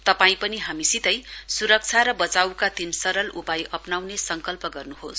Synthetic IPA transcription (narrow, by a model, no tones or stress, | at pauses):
t̪ʌpaĩpʌniɦamisit̪ʌjsuɾʌk̚t͡sʰaɾʌbʌt͡sawkad̪insʌɾʌlupajʔʌpnawnesʌŋkʌlpʌɡʌrnuɦos